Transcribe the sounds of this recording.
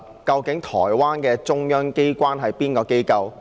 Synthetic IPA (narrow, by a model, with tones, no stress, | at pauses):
kɐ˧wkɪ˨˥ŋt̪ʰɔ̰ː˨˩jwaː˥nkɛː˧t͡sʊ˥ŋjœː˥ŋke˥jkʷaː˥nɦɐ˨jpiː˥nkɔː˧ke˥jkɐ˧w